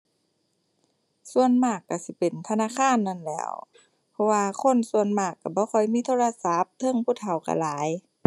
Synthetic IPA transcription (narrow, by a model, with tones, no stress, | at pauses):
su˧ə˨nmaː˧˩kːa˧˩si˧˦pe˨˩nt̪ʰa˧naː˧˥˨kʰaː˧˥˨nːa˧˥˨nlɛ̰ː˧˩w | pʰɔ˧waː˧kʰo˧˥˨nsu˧ə˨nmaː˧˩kːa˧˩bɔː˧˦xʰɔ˧˩jmiː˧˥˨t̪ʰoː˧˨la˧sa˧˦p̚t̪ʰɤ˧˥˨ŋpʰu˧˨˩t̪ʰa˨˩wka̰˧˩laː˨˦j